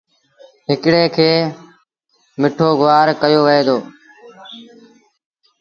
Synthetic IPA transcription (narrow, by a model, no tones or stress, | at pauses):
ɦɪkɽeːkʰeː | mɪʈʰoːɡʊʋaːɾkəjoːʋəeːd̪oː